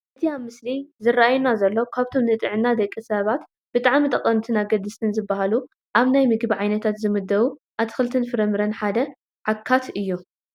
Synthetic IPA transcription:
ʔɨt̪ʰiamɨslizɨrːaʔajunazɐlːo̞kʰaβt̪ʰo̞mzɨt̪ʼɨʕɨnad̪ɐkʼːisɐβat̪ | b̥ɨt̪ʼaʕmit̪ʼɐqʼːɐnt̪ʰɨnaɡɐd̪ɨst̪ʰɨnzɨbːahalu | ʔaβnajmɨɡbiʕajnɐt̪ʰat̪zɨmɨd̪ːɐwuʔat̪ʰɨ̥xɨlt̪ʰɨnfɨɾɐmɨɾɐnħad̪ɐ | ʕakʰːat̪ɨjːu

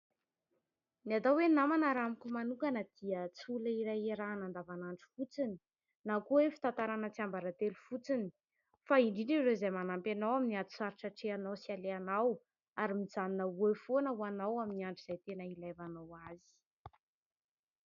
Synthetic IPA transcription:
niat̪awenamanəɾamikʲumanukanəd̪̥iət͡sulaiɾajeɾanand̪avanaɳʈ͡ʂi̥fut͡sini | nakuefi̥t̪ant̪aɾanət͡siambaɾat̪elufut͡sini̥ | faiɳɖ͡ʐiɳɖ͡ʐirezajmanampanawaminiat̪u̥saɾiʈ͡ʂaʈ͡ʂeanawsialeanaw | aɾimizaninəefonəwanawaminiaɳɖ͡ʐiz̥ajt̪enəilajvanawazi̥

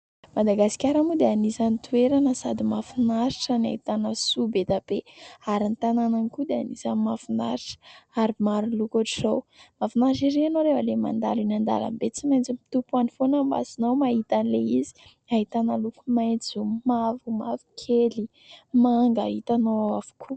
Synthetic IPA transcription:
mad̪aɡasi̥kʲaɾamud̪eanizanit̪ʰueɾanəsad̪imafinaɾiʈ͡ʂənia̰ɦit̪anəsubet̪abeaɾint̪anananikud̪eanizanmafunaɾiʈ͡ʂə̥aɾimaɾulukaʈ͡ʂizowmafinaɾʈ͡ʂiɾeanoɾevəlema̰nd̪a̰linand̪a̰la̰mbet͡simajnt͡simi̥t̪upuanifonəmba̰sinawmaɦit̪anileizi̥ | aɦit̪anəlukumajnt͡sizomavumavu̥kʰeli | maŋɡa̰ɦit̪anoavu̥kʰu

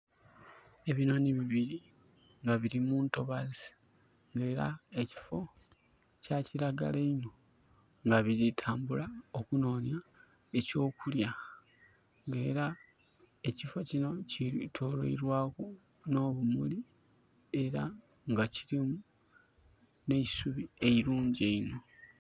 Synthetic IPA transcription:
e̞βino̞ːniβiβiɾi | ŋɡaβiɾimuːnto̞βazi | ŋɡe̞ːɾa̰eci̥fo̞ | caciɾaɡa̰leino̞ | ŋɡaβiɾitʰaːmbulao̞kuno̞ːnja | e̞co̞ːkulja | ŋɡe̞ːɾa | e̞cifo̞cino̞citʰoːɾo̰ḭɾwaːku | no̞ːβumuli | e̞ɾa | ŋɡaciɾimu | ne̞isuβie̞iɾuːɲɟeino̞

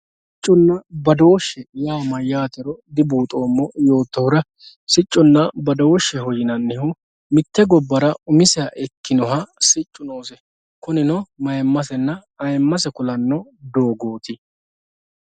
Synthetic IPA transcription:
sɪt͡ʃʼːʊnːɐbɐd̪o̞ːʃːɛjaːmɐjaːt̪ɛɾɔd̪ɪbuːt̪ʼo̞ːmːɔjo̞ːt̪ːɔhʊɾɐ | sɪt͡ʃʼːɔnːɐbɐd̪o̞ːʃːɛɦɔjɪnɐnːɪhʊ | mɪt̪ːɛɡɔbːɐɾɐʊmɪsɛɐʔɛkːɪnɔɦɐsɪt͡ʃʼːʊnoːsɛ | kʊnɪnɔmɐjɛmːɐsɛnːɐɐjɛmːɐs̬ɛkʊlɐnːɔd̪o̞ːɡoːt̪ɪ

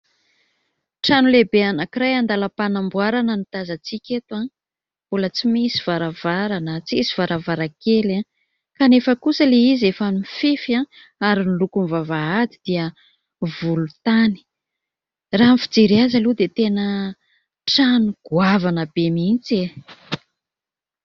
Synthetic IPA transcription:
ʈ͡ʂanulebeanakiɾajand̪alapanambwaɾanənit̪azat͡sikʲet̪uḁ̃ | ulət͡simisiv̥aɾavaɾanət͡sisiv̥aɾavaɾakela | kanefəkusəleizefanimifefiã | aɾinilukunvavaad̪id̪̥iə | vulut̪ani̥ | ramfid͡zeɾiazalud̪et̪enə | ʈ͡ʂanuɡ̥uavanəbemint͡se

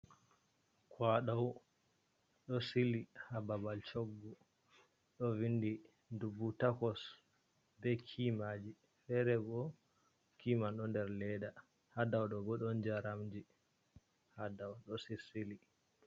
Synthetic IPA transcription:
kʰwaɗaw | ɗɔsilihababalt͡ʃoɡːu | ɗɔvindi | ndubutakɔs | bɛkʰimad͡ʒi | fɛɾɛɡɔ | kimanɗɔndɛɾlɛɗa | hadawɗɔɡɔɗɔnd͡ʒaɾamd͡ʒi | hadawɗɔsisili

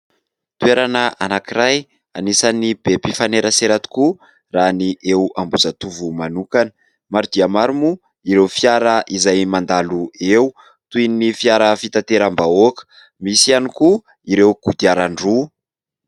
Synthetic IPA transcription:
t̪ueɾanəʔa̰nakiɾaj | a̰nisanibepifaneɾəseɾat̪i̥ku | raniʔewambuzat̪uvumanukanə̥ | maɾud̪iamaɾimu | iɾewfjaɾəʔizajmand̪aluew | t̪uinnifiaɾəfit̪at̪eɾambaokə̥ | misianiku | iɾewɡ̥ud̪iaɾaɳɖ͡ʐu

